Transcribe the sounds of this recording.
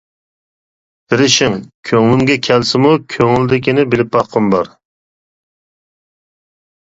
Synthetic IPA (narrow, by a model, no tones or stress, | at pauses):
bɪɾɪʃɪŋkʲʰøŋlɪmɡʲɛkʲʰɛlsɪmukʲʰøŋɪld̪ɪkʲinɪbɪlɪp̚bɑχqʰːəmbɑɾ